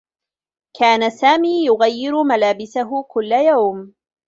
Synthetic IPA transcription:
kʰaːnasaːmiːjʊɣajːɪɾʊmalaːbɪsaɦʊkʊlːajawm

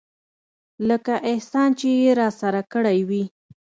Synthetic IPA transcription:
ləkaʔɪhsɑnt͡ʃejeɾɑsaɾakəɽajwi

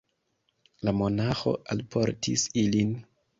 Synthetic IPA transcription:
lamo̞naxo̞̰ʔalpʰo̞̰ɾtʰḭsilin

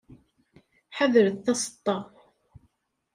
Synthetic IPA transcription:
ħaðəɾəðθɑsˤə̥t̪ˤːɑ

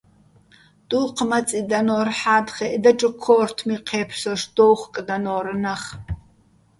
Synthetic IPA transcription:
d̥uːqʰmɐt͡sʼidɐnoːrħaːdχeʔdɐʈ͡ʂʼɨkʷʰoːrtʰmiqʰeːpʰsɔʂd̥owχʷkʼdɐnoːɾɨnɐχ

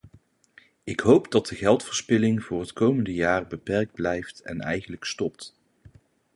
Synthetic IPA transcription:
ɪkɦowpdɑt̚dəɣɛlˠtfəɹspɪlɪŋvʊːrɦətkowməndəjaːrbəpɛɹɡ̚d̚blɛjftɛ̰nɛ̰jχənləkstɔp̚t

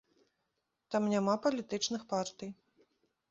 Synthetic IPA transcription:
t̪amnʲamapɐlʲit̪ɨt͡ʂnɨxpart̪ɨj

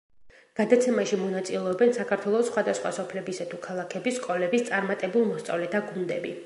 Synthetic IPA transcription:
ɡ̥ad̪at̪sʰɛmaʃimɔnat̪sʼilɛɔbɛnsakʰaɾt̪ʰwɛlˠɔsχwad̪asχwa̰sɔpʰlɛbisat̪ʰukʰalˠakʰɛbiskʼɔlɛbist̪sʼaɾmat̪ʼɛbulˠmɔst̪sʼa̰vlɛt̪ʰaɡund̪ɛbi

